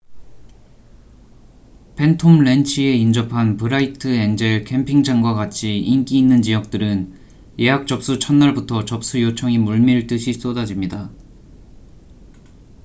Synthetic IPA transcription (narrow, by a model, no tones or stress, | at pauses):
pʰe̞ntʰomɭe̞nt͡ɕʰie̞ind͡ʑʌpʰanpɯɾaitʰɯend͡ʑeɭkʰe̞mpʰiŋd͡ʑaŋɡwaɡat͡ɕʰiink͈iːnːɯnd͡ʑijʌk̚t͈ɯɾɯn | je̞ɦak̚t͡ɕ͈ʌp̚s͈ut͡ɕʰʌnːaɭbutʰʌt͡ɕʌp̚s͈ujot͡ɕʰʌŋimuɭmiɯɭt͈ɯɕʰis͈odad͡ʑimɲida